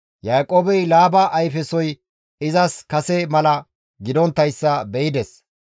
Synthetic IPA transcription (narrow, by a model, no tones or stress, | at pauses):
jaːkʼoːbɛjlaːbɐʔːjfɛsɔj | ɪzɐskɐsɛmɐlɐ | ɡɪd̪ɔnt̪ːɐjsːɐbɛjɪd̪ɛs